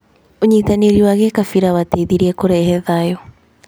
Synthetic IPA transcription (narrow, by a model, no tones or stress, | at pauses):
oɲitaneɾiwaɣekafiɾawateðiɾiɛkoɾɛɦɛðajɔ